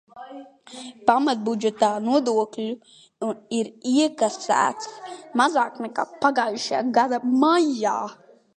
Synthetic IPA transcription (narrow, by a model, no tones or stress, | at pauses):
pamat̪̚bud͡ʒɛt̪aːnuɔd̪uɔklʲu | iɾiɛkasæ̰ːt̪smazaːknɛkaːpaɡaːjuʃja̰ːɡad̪amajaː